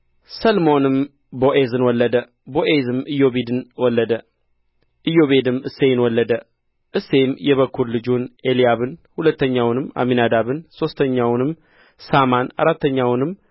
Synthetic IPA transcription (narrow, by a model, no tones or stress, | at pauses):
səlmo̞nɨm | bo̞ʔezɨnwɔlːəd̪ə | bo̞ʔezɨmɨjo̞βed̪ɨnwɔlːəd̪ə | ʔɨjo̞βed̪ɨmɨsːe̞nwɔlːəd̪ə | ʔɨsːe̞mjɛβəkʰːuɾlɨd͡ʒunelijaβɨnhulət̪ːəɲːawnɨma̰minad̪aβɨnso̞st̪ʰəɲːawnɨm | samana̰ɾat̪ʰːəɲːawnɨm